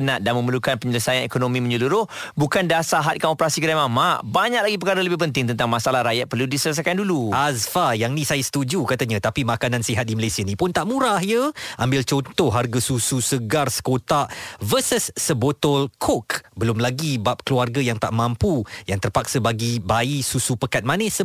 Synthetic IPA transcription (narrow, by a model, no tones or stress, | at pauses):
ənaʔ̚danmə̃məlukanpəɲələsajanekonomĩmə̃ɲəluɾʊhbukandasaɦat̪̚kanopəɾasikədajmamaʔbaɲak̚laɡipəkaɾələbɪhpənt̪ɪŋt̪ənt̪aŋmasalahɾajat̪̚pərludisələs̬ajkanduluʔasfajaŋnĩsajəsə̥t̪ud͡ʒukat̪aɲãt̪apimakanansiɦat̪̚diməlesianipʊnt̪aʔmũɾaɦjəʔambɪlt͡ʃɔnt̪ɔhɦarɡasususəɡarsə̥kot̪aʔvəsəsːəbot̪ɔlkʰɔkbəlʊmlaɡibap̚kəluarɡajaŋt̪aʔmãmpujaŋt̪ərpak̚səbaɡibaisusupəkat̪̚manɛsə